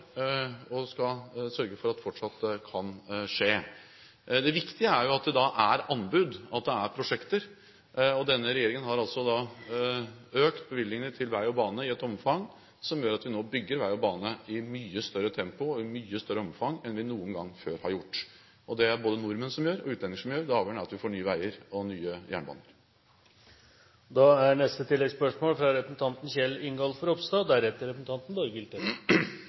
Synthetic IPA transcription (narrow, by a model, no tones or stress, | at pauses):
ɔskɑsœɾɡəfɔɾɑt̪ːfɔʈʂɑt̪ːd̪ɛkʰɑnʂeː | d̪ɛʋɪkt̪ɪəæɾjʊɑt̪̚d̪ɛd̪ɑʔæɾɑnːbʉd̪ɑt̪̚d̪ɛæɾpʰɾʊʂɛkt̪əɾ | ɔd̪ɛnːəɾɛjeːɾɪŋənɦɑɾɑltsɔd̪ɑ | øːkt̪̚bəʋɪlːɪŋənət̪ʰɪlʋæɪɔbɑːnəɪɛt̪ɔmfɑŋ | sɔmjøːɾɑt̪ʋɪnoːbʏɡːəɾʋæɪɔbɑːnəɪmyːəst̪œɾət̪ʰɛmpʊɔɪmyːəst̪œɾːəɔmfɑŋɛnʋɪnuːənɡɑŋːføːɾhɑɾjʊʈː | ʔɔd̪ɛæɾboːd̪ənʊɾmənsɔmjøːɾɔ̰ʉːɛnɪŋəʂɔmjøːɾd̪ɛɑːʋəɳəɾɑt̪ʋɪfoːɳyːəʋæɪəɾɔnyːəjæ̰ːɳəbɑ̰ːnəɾ | d̪ɑæɳɛst̪ət̪ʰɪlːɛɡspœʂmoːlfɾɑɾɛpɾəsn̩t̪ʰɑnt̪nçɛlːɪŋɡɑlfɔɾɔpst̪ɑːd̪æɾɛt̪ːəɾɛpɾsn̩t̪ɑnt̪n̩bɔɾɡɪlt̪ə